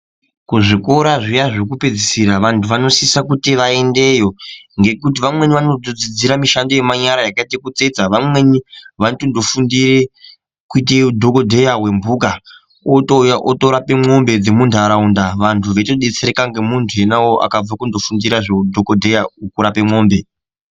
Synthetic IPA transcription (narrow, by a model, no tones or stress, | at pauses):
kuʐiko̞ɾaʐijaʐokuped͡zisiɾaʋantʰuʋano̞sisakutiʋae̞nde̞jo̞ŋɡe̞kut̬iʋamwe̞niʋanodod͡zid͡ziɾamiʃando̞je̞maɲaɾajakaitekut͡sed͡zaʋamwe̞niʋantondo̞fundiɾe | kuiteudʱo̞kodʱe̞jawe̞mbuka | otjaʔotoɾapemo̞mbe̞d͡ze̞mundʱaɾaundaʋantʰuʋetoɗet͡seɾekaŋɡe̞muntʰue̞nawoʔa̰kab͡vakundo̞fundiɾaʐodʱokodʱe̞jaukuɾape̞mo̞ːmbe̞